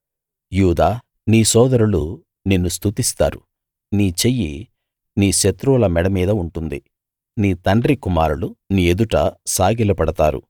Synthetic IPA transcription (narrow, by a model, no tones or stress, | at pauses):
juːd̪aː | niːsɔːd̪ɐɾulu | ninːust̪ʰut̪ist̪aːɾṵ | niːt͡ʃejːi | niːʃet̪ɾuːlɐmɛɽɐmiːd̪ɐuɳʈund̪i | niːt̪ɐɳɖɾikumaːɾuluniːed̪uʈɐ̰saːɡilɐpɐɽɐt̪aːɾṵ